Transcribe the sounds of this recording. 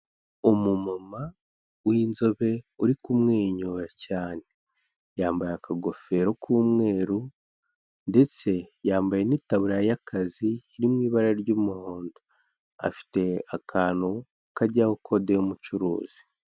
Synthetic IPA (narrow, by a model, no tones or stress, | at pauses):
umumama | wiːnzo̞βe̞uɾikumŋeːɲoːɾacaːne̞ | jaːmbajakʰaɡo̞fe̞ɾo̞kʰuːmŋe̞ːɾu | nde̞t͡se̞jaːmbaje̞niːtaβuɾajakʰaziːɾimŋiːβaɾaɾɟumuhoːndo | a̰fi̥te̞akʰaːnu | kaɾɟahokʰo̞dejumut͡ʃuɾṵːz̥i̥